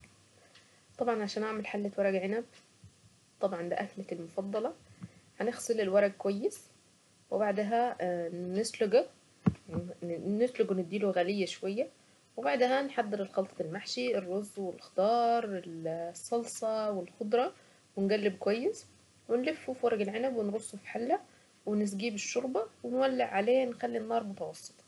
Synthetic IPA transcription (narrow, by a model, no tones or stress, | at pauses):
t̪ˤɑbʕɑnʕaʃæːnʔaʕmælħalːæt̪wɑɾˤɑɡʕenæb | t̪ˤɑbʕɑnb̪æʔæklælmofɑd̪ˤːɑlɑħænexsˤɨlelwɑɾˤɑɡ̚kowæjːes | webaʕd̪æɦæ | nesloɡ | net̪loɡwened̪ːiːloɣælɪjːæʃwæjːæ | webaʕd̪æɦænħad̪ˤːeɾelxɑlt̪ˤɑelmaħʃierˤːozːwelxt̪ɑːɾˤelsˤːɑlsˤɑwelxod̪ɾˤɑ | wenɡælːeb̚kwæjːes | wenlefːufiwɑɾˤɑɡelʕenæbwenɾosˤːofi̥ħalːæ | wenɪs̬ɡiːbeʃːoɾˤbɑwenwælːeʕʕaleːnxælːinːɑːɾˤmʊt̪ɑwɑsˤːɨ̥t̪ˤ